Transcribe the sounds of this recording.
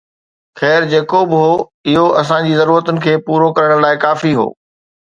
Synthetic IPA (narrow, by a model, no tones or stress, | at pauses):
xɛːɾd͡ʑeːkoːbɦoːɪɦoʔɐsãd͡ʑiːzɐɾuːɾət̪ʊnɪ̆kʰeːpuːɾokɐɾəɽ̃laːɪkaːfiɦo̰ː